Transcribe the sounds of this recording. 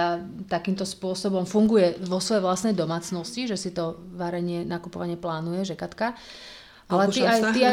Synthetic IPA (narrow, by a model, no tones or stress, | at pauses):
at̪akiːmt̪ɔspʊɔsɔbɔmfuŋɡujɛʋɔsʋɔjɛʋlasnɛjd̪ɔmaːt͡snɔsciʒɛsit̪ɔʋaɾɛɲɪɛnakupɔʋaɲɪɛplaːnujɛʒɛkat̪ka | ʔalɛiat̪ia